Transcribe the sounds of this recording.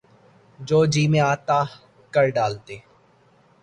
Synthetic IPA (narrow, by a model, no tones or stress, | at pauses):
d͡ʒoːd͡ʒiːmẽaːt̪aː | kəɾɖaːlt̪eː